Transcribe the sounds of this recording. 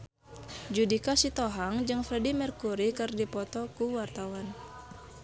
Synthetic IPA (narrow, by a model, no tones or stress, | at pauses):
d͡ʒudikasit̪oɦaŋd͡ʒɨŋfɾɛdimɛrkuɾikɨrdipɔt̪ɔkuwart̪awan